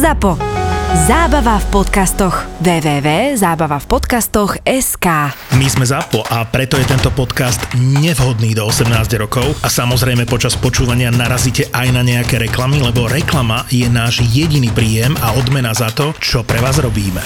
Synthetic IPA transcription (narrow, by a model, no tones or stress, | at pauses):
zapɔzaːbaʋafpɔt̪kast̪ɔɣʋɛːʋɛːʋɛːzaːbaʋafpɔt̪kast̪ɔɣɛskaː | mizmɛzapɔʔapɾɛt̪ɔjɛt̪ɛnt̪ɔpɔt̪kast̪ɲɛvɦɔd̪niːd̪ɔɔsɛmnaːzɟɾɔkɔʊasamɔzɾɛjmɛpɔt͡ʃaspɔt͡ʃuːʋaɲɪanaɾaziːcɛʔajnaɲɛakɛɾɛklamilɛbɔɾɛklamajɛnaːʒjɛɟiniːpɾiːjɛmaɔd̪mɛnazat̪ɔt͡ʃɔpɾɛʋaːzɾɔbiːmɛ